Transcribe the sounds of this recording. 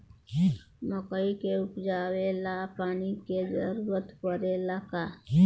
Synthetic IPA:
məkəikeʊkd͡ʒaːwelapaːniked͡ʒə̰ɾuːɾət̪pəɾelaka

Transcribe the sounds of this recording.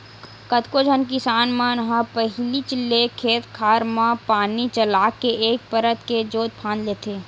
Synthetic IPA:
kət̪kod͡ʒʱənk̬ɪsaːnmãnəɦãpəɦlit͡ʃlekʰeːt̪kʰaːɾmãpaːnit͡ʃəlaːkːeʔeːk̚pəɾət̪ked͡ʒoːt̪̚pʰãːnd̪leːt̪ʰeː

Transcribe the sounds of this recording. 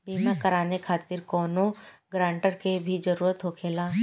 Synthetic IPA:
biːmakɐɾaːnekʰaːt̪ɪɾkɔːnoɡɾãːɳʈəɾkebʱid͡ʒɐɾuːɾət̪ɦokʰeːlaː

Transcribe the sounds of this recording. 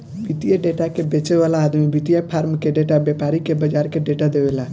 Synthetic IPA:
bit̪ijaɖeʈakebet͡ʃeʋalaːd̪mibit̪ijapʰaːɾmkeɖeʈabepaɾikebəd͡ʒaɾkeɖeʈad̪eʋela

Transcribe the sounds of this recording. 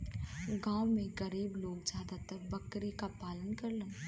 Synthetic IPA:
ɡãːwmẽɡɐɾiːbloːɡzjaːd̪at̪əɾbɐkɾikapaːlənkɐɾlə̃

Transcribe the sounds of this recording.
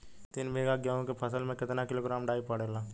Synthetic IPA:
t̪ɪnbʱeːɡaɡaːõkepʰɐsəlmẽkɪt̪nakɪloɡɾaːmɖaːipɐɽeːlaː

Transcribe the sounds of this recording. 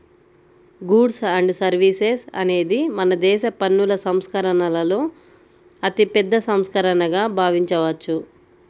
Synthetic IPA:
ɡuːɖsɐɳɖsɐɾʋiːsesɐ̰ne̞ːd̪imɐnɐd̪ɛːʃɐpɐnːulɐsɐmskɐɾɐɳɐlɐlo̞ː | ɐt̪ipɛd̪ːɐsɐmskɐɾɐɳɐɡaːbʱaːʋiɲt͡ʃɐʋɐt͡ʃːu

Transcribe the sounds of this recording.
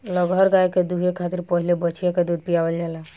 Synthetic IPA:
ləɡʱəɾɡajked̪uɦekʰat̪iɾpəɦilebət͡ʃʰijaked̪ud̪̚ʱpijabeld͡ʒalɛ

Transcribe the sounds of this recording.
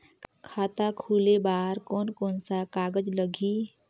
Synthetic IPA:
kʰaːt̪akʰuːlebaːɾkɔːnkoːnsakaːɡəd͡ʒləɡi

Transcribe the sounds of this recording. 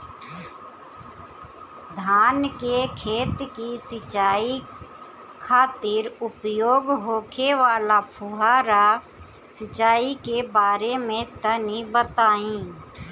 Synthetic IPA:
d̪ʱaːnkekʰeːt̪kisɪt͡ʃaːi | kʰaːt̪ɪɾʊpjoːɡɦoːkʰeʋaːlapʰʊɦaːɾa | sət͡ʃaːikebaːɾemẽt̪ənibət̪aːĩː

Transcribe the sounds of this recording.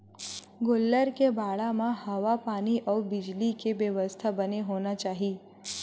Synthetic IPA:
ɡolːəɾkebʱaɭamãhəʋapaniʔəbid͡ʑlikeʋjəʋəst̪ʰabəneɦonat͡ʃaɦi

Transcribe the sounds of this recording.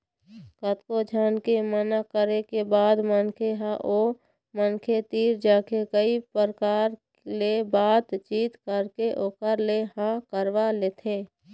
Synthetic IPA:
kət̪kod͡ʒʱaːnkemənakəɾekebaːd̪mənkʰeɦaʔoː | mənkʰet̪iːɾd͡ʒaːkekəipəɾəkaːɾ | lebaːt̪t͡ʃiːt̪kəɾkeʔoːkəɾleɦãkəɾwaleːt̪ʰẽː

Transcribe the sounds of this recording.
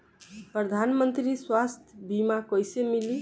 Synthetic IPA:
pɾəd̪ʱanmənt̪ɾiswast̪ʰjəbimakəjsemili

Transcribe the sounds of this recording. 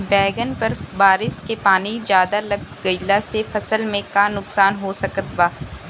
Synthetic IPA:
bɛːɡənpɐɾbaːɾɪskepaːnid͡ʒjaːd̪alɐɡɡəjlasefɐsəlmẽkanʊksaːnɦosɐkət̪baː

